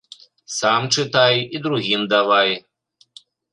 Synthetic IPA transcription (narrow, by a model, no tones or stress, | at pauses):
samt͡ʂɨt̪ajid̪ɾuɣʲimd̪aʋaj